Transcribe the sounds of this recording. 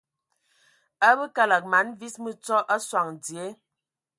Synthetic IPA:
a˦bə˦ka˦la˨k̚ma˨˦nvi˦smə˦t͡sɔ˦ʔa˦swa˨ŋdi˨e˨˦

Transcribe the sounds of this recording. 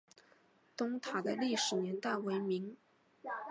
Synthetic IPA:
t̪ʊ˥ŋt̪ʰa˨˩d̪ə˦li˥˩ʂɻ̩˨˩njɛ˧˥nt̪a˥˩ɪwe˧˥ɪmi˧˥ŋ

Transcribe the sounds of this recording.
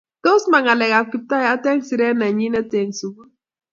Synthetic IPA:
to˦sma˨ŋa˨lɛ˨ɣa˨kʷi˨˦p̚ta˦ja˦tɛ˦ŋsi˨ɾɛ˦na˨ɲi˦nɛ˦te˨ŋsu˨ɡu˦

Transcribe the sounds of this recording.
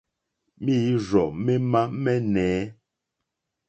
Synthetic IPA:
mi˦ɾɔ˨mɛ˦ma˦mɛ˦nɛː˨˦

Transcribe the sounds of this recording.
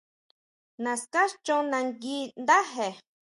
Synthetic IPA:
nã˨ska˦ʃt͡ʃõ˦nã˧ŋɡi˦nd̪a˦ɦe˨

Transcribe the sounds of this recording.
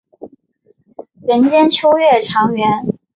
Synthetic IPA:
ɥə˧˥nt͡ɕjɛ˥nt͡ɕʰjo˥ʊɥɛ˥˩ʈ͡ʂʰɑ˧˥ŋɥɛ˧˥n

